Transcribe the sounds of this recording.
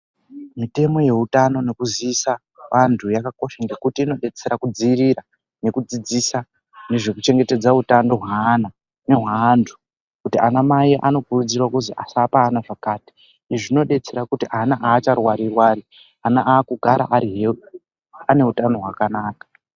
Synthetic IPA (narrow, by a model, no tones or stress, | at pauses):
mite̞mo̞je̞ɦutano̞ne̞kuziːsa | ʋantʰujakako̞ʃaŋɡe̞kutiːno̞ɗe̞t͡se̞ɾakud͡ziiɾiɾa | ne̞kud͡zid͡zisa | ne̞ʐe̞kut͡ʃe̞ŋɡe̞te̞d͡zautando̞ɦwaːna | ne̞ɦwantʰu̥ | kutiʔanamaiʔa̰no̞kurud͡zirwakuziʔasapaːnaʐakaːti̥ | iʐino̞ɗe̞t͡se̞ɾakutiʔanaʔaːt͡ʃarwaɾirwaːi | anaʔaːkuɡʱaɾa̰ʔaɾiɦeɗu | ane̞ɦutano̞ɦwakanaːkḁ